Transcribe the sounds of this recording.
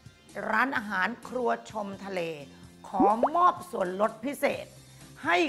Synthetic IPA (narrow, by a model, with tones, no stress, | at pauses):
ɾaː˦˥nʔaː˧ɦaː˩˦nkʰɾu˧ɐt͡ɕʰo˧mt̪ʰa˧leː˧kʰɔː˩˦mɔː˥˩p̚su˨˩ənlo˦˥t̪̚pʰi˦˥sḛː˨˩t̪̚ | ha˥˩j